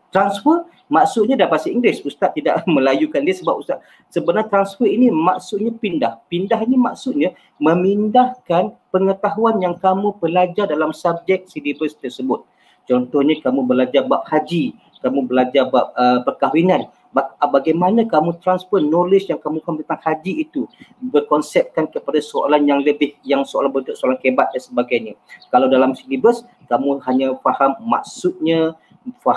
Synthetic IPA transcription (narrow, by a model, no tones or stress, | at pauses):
t̪ɾansfər | maksʊt̪̚ɲãdapasiiŋɡlɪsust̪at̪ːida̰ʔmə̃lajukandiasəbap̚ust̪a | səbənat̪ɾansfərinimaksʊt̪̚ɲapindahpindaɦinima̰ksʊt̪̚ɲã | mə̃mindahkanpəŋət̪aɦuanjaŋkamũbəlad͡ʒardalamsab̚d͡ʒɛk̚sidibəst̪ərsəbʊt̪̚ | t͡ʃɔnt̪ɔhɲãkamũbəlad͡ʒarbap̚had͡ʒi | kamũbəlad͡ʒabap̚əpərkaɦwinãn | babaɡajmanãkamũt̪ɾanspərnːolɪt͡ʃjaŋkamũkamt̪ənt̪aŋhad͡ʒiit̪ubərkɔnsɛp̚kankəpadasoa̰lanjaŋləbɪhjaŋsoa̰lanbət̪ʊt̪ʔ̚soalankebat̪̚dansəbaɡajɲãkalawdalamsilibəs | kamũɦaɲãfahamːa̰ksʊt̪̚ɲã | fa